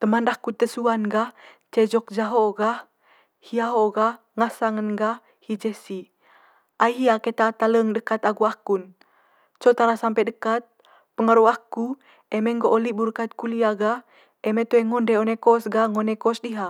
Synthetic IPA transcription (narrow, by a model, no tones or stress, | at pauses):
t̪əmandahkut̪əsuanɡah | t͡ʃɛd͡ʒɔk̚d͡ʒaɦoɡah | hiaɦoɡah | ŋasaŋənɡa | hid͡ʒɛsi | ʔajɦiaket̪at̪aləŋdəkat̪aɡuakun | t͡ʃot̪aɾasampɛdəkat̪̚ | pəŋaɾuaku | ɛmɛŋɡoʔolibuɾkat̪̚kuliaɡah | ʔɛmet̪oɛŋɔndɛonekɔsɡaŋonekɔsdiɦa